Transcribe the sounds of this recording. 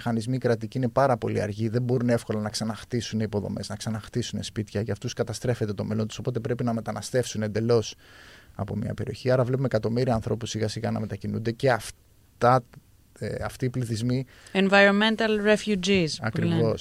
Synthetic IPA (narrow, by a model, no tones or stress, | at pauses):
xɐnizmiːkɾɐt̪iciine̞pɐɾɐpo̞liɐ̰ɾʝiðe̞mbo̞ɾunefko̞lɐnɐksɐnɐxt̪isuneipo̞ðo̞̰me̞znɐksɐnɐxt̪isune̞spit̪çɐʝɐft̪uskɐt̪ɐst̪ɾe̞fe̞t̪e̞t̪ome̞lo̞nt̪u̥so̞po̞t̪e̞pɾe̞pinɐme̞t̪ɐnɐst̪e̞fsune̞nd̪e̞lo̞sɐ̰po̞̰mɲɐ̰pe̞ɾio̞çiɐɾɐvlepumekɐt̪o̞miɾiɐːnθɾo̞pusiɣɐsiɣɐ̰nɐ̰me̞t̪ɐcinṵnd̪e̞ce̞ɐf | t̪ɐ | eɐft̪iːpliθizmi | envɐjɾonment̪ɐlɾefjud͡ʒisɐkɾivo̞s